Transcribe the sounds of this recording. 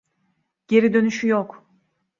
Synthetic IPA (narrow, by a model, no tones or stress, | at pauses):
ɟ̥e̞ɾid̪ø̞nyʃyjok